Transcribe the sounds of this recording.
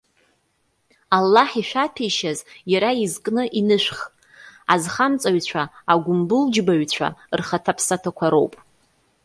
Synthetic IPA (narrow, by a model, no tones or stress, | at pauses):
alːaħiʃʷᶣapʰiʃazjaɾaizkʼnɨʔinɨʃʷᶣχʼ | azχamt͡sʼaɥt͡ɕʷʰaːɡʷʊmbɨld͡ʒbaɥt͡ɕʷʰa̰rχatʰapʰsatʰakʷʰaɾo̞wpʼ